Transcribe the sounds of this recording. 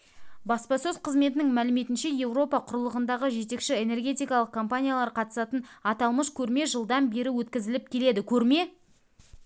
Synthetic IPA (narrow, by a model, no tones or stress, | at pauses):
bɑspɑsɵzqʰəzme̞t̪̬ɪnɪŋmælɪme̞t̪ɪnʃe̞je̞vro̞pɑqʰʊɾəlˠəʁənd̪ɑʁəʒe̞t̪e̞kʃɪe̞ne̞rɡʲe̞t̪ijkɑlˠəq̚kʰo̞mpanʲijalˠɑɾqʰɑt̪ə̥sɑt̪ənɑt̪ɑlˠməʃkʲʰɵɾme̞ʒəlˠd̪ɑnbe̞ɾɪwɵt̪kʲɪzɪlɪp̚kʲʰe̞le̞d̪ɪkʲʰɵɾme̞